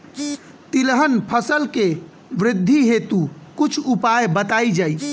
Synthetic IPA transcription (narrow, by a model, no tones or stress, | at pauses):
t̪ilɦənpʰəsəlke | ʋɾɪd̪ʱːiɦet̪ukut͡ʃʰupajbət̪aid͡ʒaj